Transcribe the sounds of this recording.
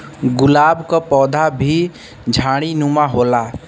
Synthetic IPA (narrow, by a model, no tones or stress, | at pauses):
ɡʊlaːbkapɔːd̪ʱabʱi | d͡ʒʱaːɽ̃inumaɦoːla